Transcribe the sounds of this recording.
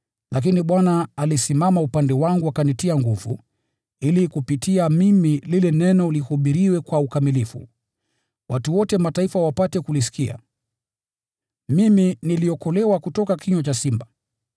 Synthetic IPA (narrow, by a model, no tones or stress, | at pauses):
lak̬iniɓwanaːlisimamaupandɛwaŋɡuakanitiaŋɡuvṵ | ilikupitʰiamimililɛnɛnɔlihuɓiɾiwɛkwaukamilifṵ | wʔatuwɔtɛmataifawapatɛkulis̬i̥kia̰ | miminiliɔkɔlɛwakutɔkakʰiɲwat͡ʃasimba